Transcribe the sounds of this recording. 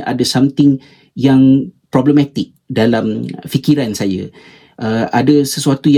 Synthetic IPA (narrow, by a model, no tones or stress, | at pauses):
ʔa̰dəsamt̪ɪŋ | jaŋpɾɔbləmaɛ̃t̪ɪk̚dalamfikiɾansaja̰ | ʔəadəsəsuat̪uj